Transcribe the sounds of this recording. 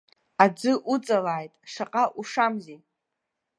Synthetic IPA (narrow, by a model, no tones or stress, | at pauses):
ad͡zɨʔut͡sʼalaːjtʼʂaqʼaʔuʂamzi